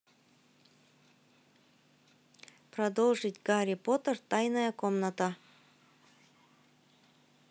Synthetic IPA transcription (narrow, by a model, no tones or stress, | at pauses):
pɾɐd̪olˠʐɨtʲɡɑɾʲipot̪ərt̪ɑjnəjəkomnət̪ə